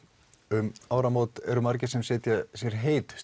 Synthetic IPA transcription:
ʏmaːwɾamoːt̪ɛ̰ɾʏmaɾcɪ̥sɛmsɪːt̪jasjɛɾ̥ɦeːjt̪ʏ̥

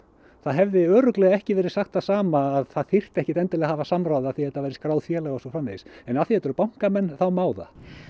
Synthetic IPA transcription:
θaðɦɛvðɪœːɾʏklɛːɣaɛhcɪvɛːɾɪ̥saxt̪asaːmaːðθaðθɪr̥t̪ɛhcɪt̪ɛnt̪ɪlɛːɣahavasamɾawðaθihɛt̪ːavɛjɾɪ̥skɾaːwðfjɛːlaɣasɔfɾamːḛːsɛnaθihɛt̪ɛɾʏpawŋ̥kamɛnːθawmaːwða̰

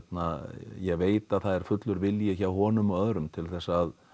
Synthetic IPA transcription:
t̪najɛɣveːjt̪aðθaðɛɾ̥fʏt̪lʏɾvɪljɪçawɦɔːnʏmœðɾʏmt̪ʰɪlθɛsːað

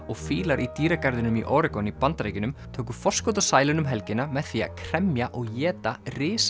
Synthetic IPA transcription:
ɔɣfiːlaɾʔit̪iːɾakaɾðɪnʏmiʔoːɾɪkɔnipant̪ɾaːjcɪnʏmt̪ʰoːwkʏfɔ̥skowt̪̬asaːjlɪnʏmɦɛlcɪnamɛðθiːa̰kʰɾ̥ɛmjaʔɔɣjɛːt̪arɪːs

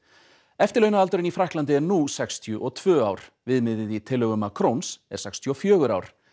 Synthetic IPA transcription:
ɛft̪ɪlœːɥnaalt̪ʏɾɪnifɾahklant̪ɪɛɾnusɛkst̪ʰjʏʔɔɣt̪ʰvœːawɾ̥vɪðmɪðɪðit̪ʰɪlːœɣʏmakʰɾownsɛ̰ɾ̥sɛkst̪ʰjʏɔfjœːɣʏɾa̰ːwɾ̥

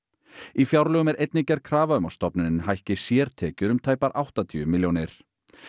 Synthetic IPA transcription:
ifjawɾlœːɣʏmɛɾʔejt̪nicɛɾ̥kʰɾaːvaʏmawst̪ɔpnɪnɪnɦajhcɪsjɛːɾ̥t̪ʰɛːcʏɾʏmt̪ʰaːjpaɾʔawht̪at̪ʰiʏmɪljownɪɾ̥

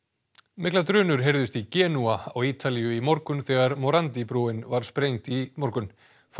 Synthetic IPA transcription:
mɪklat̪ɾʏːnʏɾ̥ɦejɾðʏst̪icɛːnuaawiːt̪ʰalijʏimɔɾkʏnθɛːɣaɾmɔɾant̪ipɾuːɪnvaɾ̥spɾejŋt̪imɔɾkʏn | f

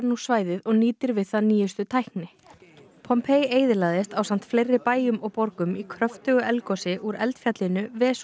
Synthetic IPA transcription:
ɾnusvaːjðɪðɔɣniːt̪ɪɾvɪðθaðniːjʏst̪ʏt̪ʰajhknɪ | pʰɔmpʰejeːjðɪlaːðɪst̪aːwsan̥t̪flejrːɪpaːjʏmɔɣpɔɾkʏmikʰɾœft̪ʏɣʏʔɛlkɔsɪʔuɾɛ̰lt̪fjat̪lɪnʏvɛːs

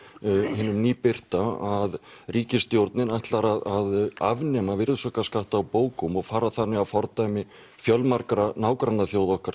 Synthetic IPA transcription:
hɪːnʏmniːpɪr̥t̪aaðriːcɪst̪jowɾt̪nɪnajht̪laɾaðaða̰vnɛmavɪɾðsɔkaskaht̪awpoːwkʏmɔɣfaːɾaθanːɪɣafɔɾt̪ajmɪ | fjœlmaɾkɾanaːwkɾanːaθjowðɔhkaɾ̥

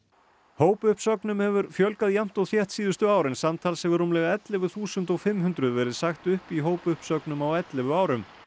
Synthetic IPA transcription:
hoːwpʏhpsœknʏmhɛvʏɾfjœlkaðjam̥t̪ɔðfjɛht̪siːðʏst̪ʏaːwɾɪnsamt̪ʰalsɛvɪɾruːmlɛɣaɛt̪lɪvʏθuːsʏnt̪ɔɣfɪmɦʏnt̪ɾʏðvɛɾɪðsaxt̪ʏhpiɦoːwpʏhpsœknʏmawɛt̪lɪvʏaːwɾʏm

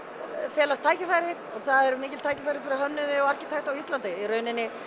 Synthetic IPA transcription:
fjɛːlast̪ʰːaːjcɪfaːjɾɪɾɔɣθaðɛɾmɪːcɪlt̪ʰaːjcɪfajɾɪfɪɾɪɦœnːʏðɪɔɣar̥cɪt̪ʰajht̪awist̪lant̪aiɾœːɥnɪnːɪ

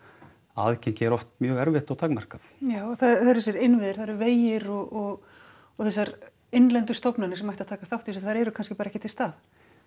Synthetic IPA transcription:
aðcɛjɲcɪɛɾɔft̪mjœːɣɛɾvɛht̪awt̪ʰaːkmar̥kaθjaːwθaðθaɛɾɛs̬ɛɾɪnvɪðɪɾ̥θaðɾʏɾveːjɪɾɔɣɔɣ | ɔθɛsːaɾ | ejnlɛnt̪̬ʏst̪ɔwpnanɪsɛmajht̪aðt̪ʰaːkaθawht̪isɔθaɾɛɾʏkʰanscɪpaːɾaɛhcɪt̪ɪlst̪aːð

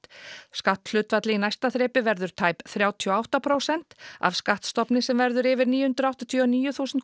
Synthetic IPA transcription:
skaht̪l̥ʏːt̪vat̪lɪinajst̪aθɾeːpɪvɛɾðʏɾ̥t̪ʰaːjpθɾjaːwt̪ʰiɔawht̪apʰɾowsɛn̥t̪a̰vskaht̪st̪ɔpnɪsɛmvɛɾðʏɾɪːvɪɾniːjʏhʏnt̪ɾawht̪at̪ʰjɔɔniːjʏθuːsʏnt̪

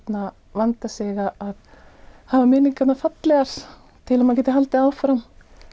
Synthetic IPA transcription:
t̪na | vant̪asɛɣaʔaðhavamɪːniŋkat̪nafat̪lɛɣaɾ̥ | t̪ʰɪlamanc̬ɛːt̪ɪɦalt̪ɪaːwfɾam

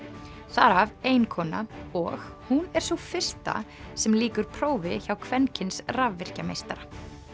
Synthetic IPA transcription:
θaɾaveːjnkʰɔːna̰ɔɣhunɛɾ̥sufɪr̥st̪a̰ | sɛmliːkʏɾ̥pʰɾoːwvɪçawkʰvɛncʰɪnsravːɪr̥camḛjst̪aɾa

